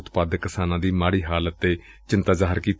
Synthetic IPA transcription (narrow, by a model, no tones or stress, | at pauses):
t̪paːd̪əkːɪsaːnãːd̪iːmaːɽiːɦaːlət̪ːeː | t͡ʃɪnt̪aːzaːɦəɾkiːt̪